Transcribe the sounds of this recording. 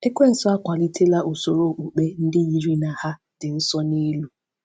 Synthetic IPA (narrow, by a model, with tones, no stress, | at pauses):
e˦kʷe˦˨n̩˨sɔ˦a˦kʷa˨li˦tʰe˦la˦ʔo˨so˨ɾo˦˨k͡pu˨k͡pe˦n̩˦dɪ˦ɲi˨ɾi˦na˨ha˦ | d̥ɪ˨n̩˦sɔ˦ni˦lu˦